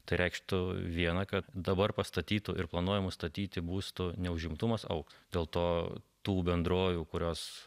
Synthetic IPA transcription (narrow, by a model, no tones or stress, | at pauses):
t̪ɐɪɾʲɛɪkʃt̪ʊʋʲiɛnɐkɐt̪d̪ɐbɐrpɐst̪ɐt̪ʲiːt̪ʊʔɪrplˠɐnuɔjɛmʊst̪ɐt̪ʲiːt̪ʲɪbuːst̪ʊnʲɛʊʒʲɪmt̪ʊmɐsɐ̰ʊksd̪ʲeːlˠt̪oːt̪uːbʲɛnd̪ɾoːʋuːkʊɾʲoːs